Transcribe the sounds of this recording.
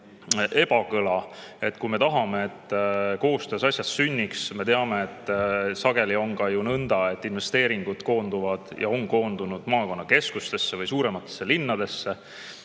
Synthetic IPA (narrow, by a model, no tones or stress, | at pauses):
e̞b̥ɑkɤlɑe̞t̪ːkume̞t̪ɑɦɑme̞et̪ːko̞ːst̪øːsɑsʲjɑssynʲːiksme̞t̪eɑme̞et̪ːˑsɑɡe̞lio̞ŋkɑjunɤnd̪̥ɑe̞t̪ːˑinve̞st̪e̞ːɾiŋɡ̥ud̪̥ko̞ːnd̪̥uvɑd̪̥jɑ̰o̞nko̞ːnd̪unud̪̥mɑːko̞nːɑke̞skust̪e̞sːe̞vɯjsuːɾe̞mɑt̪ːˑesːe̞linːɑd̪̥e̞sːe̞